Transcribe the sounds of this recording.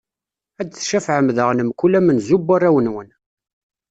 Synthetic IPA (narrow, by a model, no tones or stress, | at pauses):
æd̪θʃæfʕəmðəʁnəmkulæmənzubːarːæwənwən